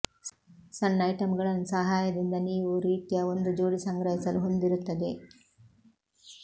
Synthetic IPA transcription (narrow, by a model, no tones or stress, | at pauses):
sɐnːɐjʈɐmɡɐɭɐnɐsɐɦaːjɐd̪ind̪ɐniːʋuɾiːt̪ijɐo̞nd̪ud͡ʒoːɽisɐŋɡɾɐɦisɐluɦo̞nd̪iɾut̪ːɐd̪e